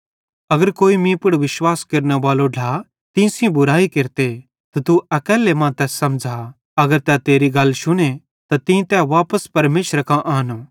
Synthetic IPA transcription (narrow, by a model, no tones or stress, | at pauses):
ɐɡəɾkoːimĩpʊɽʋɪʃwaːskɐɾneʋaːloɖʱa | t̪ĩsĩbʊɾaːikeɾt̪e | t̪ɐt̪uɐkɛːlːemãt̪ɛːsːɐmd͡ʒʱa | ɐɡəɾt̪ɛt̪eːɾiɡɐlːʃʊɽ̃e | t̪at̪ĩt̪ɛʋaːpəspɐɾmeːʃɾakãʔaːno